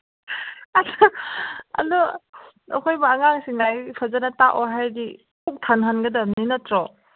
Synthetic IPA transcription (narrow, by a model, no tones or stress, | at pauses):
adɔ | ɐ̰dɔ | ɐ̰kʰojbɐːŋaŋsiŋajpʰazanɐtaʔɔɦajdi | kʰuk̚tʰanɦanɡɐdɐninɐtɾɔ